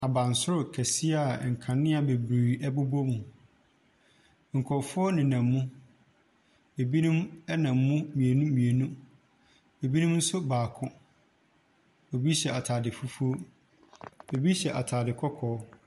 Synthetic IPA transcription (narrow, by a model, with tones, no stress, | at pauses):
a˨bã˨n˨sʊ˦ɾʊ˨kʰɛ˨si˦a˨ŋ̩˨kʰã˨nːɪ̃˦a˨be˨bɾi˨ɛ˦bʊ˦bo˦mũ˨ | ŋ̩˨kʰɔ˨fʊ˦ɔ˦nɪ̃˨nã˨mːũ˦ | e˨bi˦nũ˦mɛ˦nã˨mːʊ̃˦mĩ˨e˨nũ˦mĩ˨e˨nũ˦ | e˨bi˦nũ˦mn̩˦sʊ˦baː˨kʰʊ̃˦ | o˨bi˦ɕɛ˨a˨tʰaː˨dɪ˨fu˦fu˦o˦ | e˨bi˦ɕɛ˨ʔa˨tʰaː˨dɪ˨kʰɔ˦kʰɔː˨˦